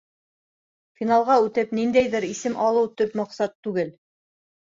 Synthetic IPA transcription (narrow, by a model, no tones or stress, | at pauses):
fʲinalˠʁɑʉt̪ɘpnind̪æjðɘɾisɘmʔɑlˠɤwt̪ɵpmŏqsɑt̪ːʉɡɘl